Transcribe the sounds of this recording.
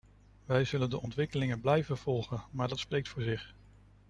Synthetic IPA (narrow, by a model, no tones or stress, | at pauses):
ʋɛjzɵləndəʔɔntʋɪkəlɪŋənblɛjvənv̥ɔlˠχənmaːɹdɑtsprejk̚tfʊːɹzɪχ